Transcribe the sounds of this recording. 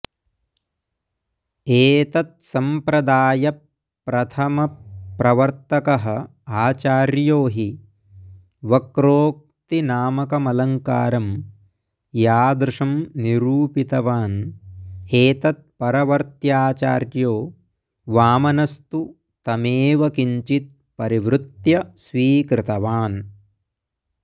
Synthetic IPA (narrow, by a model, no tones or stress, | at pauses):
eːt̪ɐt̪̚sɐmpɾɐd̪aːjɐ | pɾɐt̪ʰɐmɐpɾɐʋɐɾt̪ɐkɐɦɐ | aːt͡ʃaːɾjoːɦi | ʋɐkɾoːk̚t̪inaːmɐkɐmɐlɐŋka̰ːɾɐm | jaːd̪ɾɪʂɐmniɾuːpit̪ɐʋaːn | eːt̪ɐt̪̚pɐɾɐʋɐɾt̪jaːt͡ʃa̰ːɾjoː | ʋaːmɐnɐst̪u | t̪ɐmeːʋɐkiɲt͡ʃit̪̚ | pɐɾiʋɾut̪jɐsʋiːkɾɪt̪ɐʋaːn